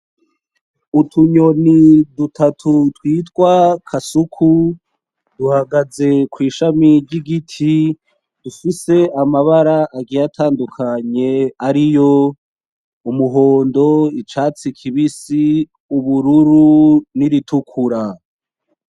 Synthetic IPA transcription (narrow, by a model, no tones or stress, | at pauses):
utʰuɲonidutʰatʰutwiːtkwakʰasukʰu | d̥uhaɡaze̞kwiːʃamiɾɟiɡitʰi | d̥ufise̞amaβaɾaʔːɡijatʰaːndukʰaɲe̞aɾijo | umuɦo̞ːndo̞it͡ʃaːt͡sikʰiβisi | uβuɾuɾuniɾitukʰuɾa